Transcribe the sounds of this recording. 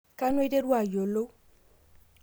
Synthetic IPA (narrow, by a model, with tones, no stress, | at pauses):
ka˦n˦e˦de˦ɾwa˨jo˨lo˦